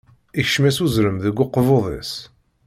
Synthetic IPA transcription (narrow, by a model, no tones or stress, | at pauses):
içʃmæsuzɾəmðəɡʷːʊqːvoðˤḛs